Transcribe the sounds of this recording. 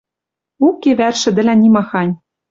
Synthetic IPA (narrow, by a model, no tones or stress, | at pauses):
ukːeβærʃɘ̆d̪ɘ̆lʲænʲimɑxɑnʲ